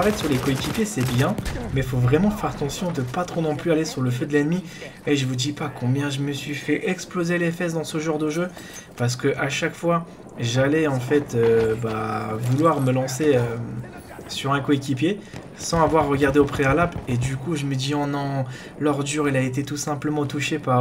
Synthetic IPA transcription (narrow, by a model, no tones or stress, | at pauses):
vɛt̪syʁlekoekʲipjesɛbjɛ̃mɛfovʁɛmɑ̃fɛʁt̪ɑ̃sjɔ̃d̪əpat̪χonɔ̃plyalesyʁləfød̪əlɛnmi | eʒəvud̪ipakʰɔ̃bjɛ̃ʒəməsɥifɛʔɛksplozelɛfɛs̬d̪ɑ̃səʒɑ̃ʁd̪əʒø | paʁs̬ə̥kəʔaʃakfwa | ʒalɛɑ̃fɛt̪øbavulwaʁməlɑ̃seø | syʁɛ̃koekʲipje | sɑ̃avwaʁːəɡʲaʁd̪eopχealaped̪ykuʒəməd̪iɔ̃nɑ̃ | lɔʁd̪yʁilaet̪et̪usɛ̃pləmɑ̃t̪uʃepaʁ